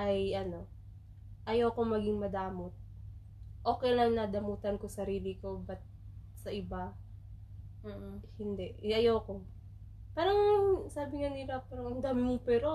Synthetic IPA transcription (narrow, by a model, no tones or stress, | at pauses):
ʔɐjʔɐno̞ | ʔɐjowkomɐɡiŋmɐd̪aːmot̪̚ | ʔo̞ːkɛjlɐŋnɐd̪ɐmuːt̪ɐnko̞sɐɾiːlɪko̞bɐt̪̚ | sɐʔɪba | m̩ːʔ̩hɪnd̪ɛʔʔɐjawko | paːɾɐŋsaːbɪŋanɪlapaːɾɐŋɐŋd̪amɪɪpɛːɾo